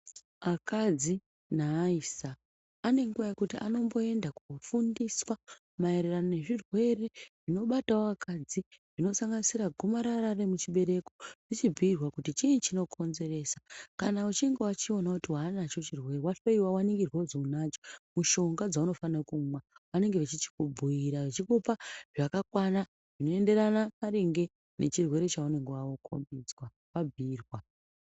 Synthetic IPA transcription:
akad͡zi | naisaː | ne̞ŋɡuʋakutiʔano̞mbo̞e̞ndakufundiswa | mae̞ɾeranone̞ʐirwe̞re̞ʐino̞ɓataoakʰad͡ziʐ̥ino̞saŋɡanisiɾaɡʱomaɾaɾaremut͡ʃiɓe̞ɾe̞ko̞ʐ̥it͡ʃib͡vʱiirwakutit͡ʃint͡ʃino̞kʰo̞nze̞re̞sḁkanaut͡ʃiŋɡewat͡ʃio̞nakutiwanat͡ʃo̞t͡ʃirwe̞ɾewat͡ʃoiwawaneŋɡirwazounat͡ʃomuʃo̞ŋɡad͡zauno̞fanakumwaʋane̞ŋɡeʋet͡ʃit͡ʃi̥kubʱujiɾaʋet͡ʃikupaʐakakwana | ʐ̥ino̞e̞nde̞ɾanakaɾeŋɡe̞ | nʔe̞̰t͡ʃirwe̞ɾe̞t͡ʃaune̞ŋɡewawo̞kʰo̰mbid͡zwa | pabʱiːrwa

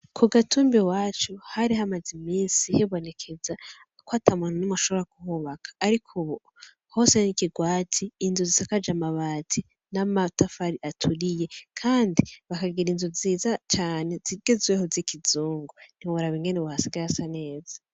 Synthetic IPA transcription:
kʰuɡatʰuːmbiwaːt͡ʃuhaɾiɦamazimiːnsiheβo̞ne̞kʰe̞za | kwatʰamananumaʃoβoɾakuhuβakʰḁːɾikʰuβo | ho̞senikiɡwaːtʰiːnzuzisakad͡ʒamaβaːtʰi | namatafaɾiʔatʰuɾije̞kʰaːndiβakaɡiɾinzuziːzat͡ʃaːne̞ziɡ̥ezwehozikʰizuːŋɡoniβuɾaβiŋɡe̞neβuhasiɡaɾasane̞ːza

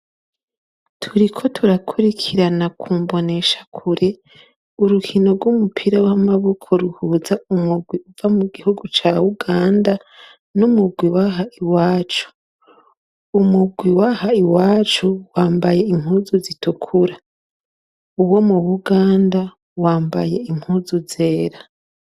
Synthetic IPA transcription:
tʰuɾikʰo̞tʰuɾakʰuɾikʰiɾanakʰuːmbo̞ne̞ʃḁkʰuɾe̞ | uɾukʰino̞ɾɡwumupʰiɾawamaβokʰo̞ɾuhuːzaumuɡwiuvamuɡihuɡut͡ʃauɡaːnda | numuɡwiwaɦaʔiwaːt͡ʃu̥ | umuɡwiwahaiwaːt͡ʃuwaːmbaje̞im̥huːzuzitukʰuɾa | uβwo̞muβuɡaːnda | waːmba̰je̞im̥huːzuze̞ːɾa

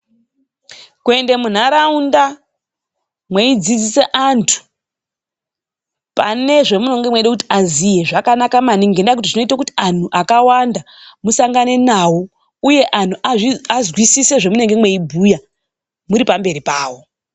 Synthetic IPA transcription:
kue̞nde̞mun̤aɾaunda | mwe̞id͡zid͡zise̞ʔantʰu̥ | pa̰ne̞ʐe̞muno̞ŋɡe̞mweɗekuti̥azije̞ʐakanakamaniŋɡendakut̬iʐino̞itakuti̥an̤uʔakawanda | musaŋɡane̞nawo̞ | uje̞ʔan̤uaʐiazwisise̞ʐe̞mune̞ŋɡe̞mwe̞ibʱuja | muɾipambe̞ɾipaːwo̞

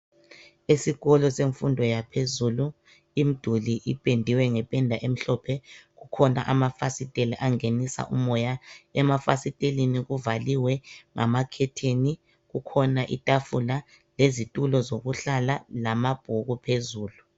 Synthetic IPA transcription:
esiɣɔlɔseɱfundʱɔjapʰezulu | im̩d̥ʱuliʔipʼendʱiwɛŋɛpʼɛndʱaʔem̩ɬɔpʰɛɣukʰɔna̰ʔamafasitʼeliʔaŋenisa̰ʔṵmɔjaɛmafasitʼeliniɣuvaliwɛŋʔa̰makʰɛtʰeni | ɣukʰɔnaʔḭtʼafula | lezitʼulɔzoɣuɬalalamab̥ʱuɣupʰezuːlu

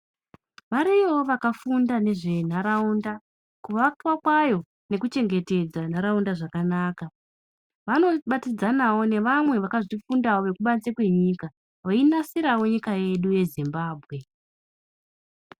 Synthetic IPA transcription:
ʋaɾiwoʋakafundane̞ʐe̞n̤aɾaunda | kuʋakwakwajo̞ | ne̞kut͡ʃe̞ŋɡe̞te̞d͡zan̤aɾaundaʐakanaːka | ʋano̞ɓatid͡zanawo̞ne̞ʋamwe̞ʋakaʐifundawo̞ʋe̞kuɓant͡sekwe̞ɲiːka | ʋainasiɾawo̞ɲikaje̞ɗuje̞zimbaːbʱɣe̞

